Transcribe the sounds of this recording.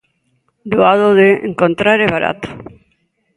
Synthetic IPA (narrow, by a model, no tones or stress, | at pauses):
d̪oaðoðeḛŋkõnt̪ɾaɾeβaɾa̰t̪o̥